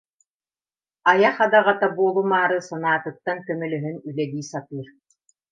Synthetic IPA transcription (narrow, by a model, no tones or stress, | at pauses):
ajaχad̪aʁat̪abuɔlˠumaːɾɯsanaːt̪ɯt̪ːaŋkœmœlœɦynylɛɡ̪iːsat̪ɯːɾ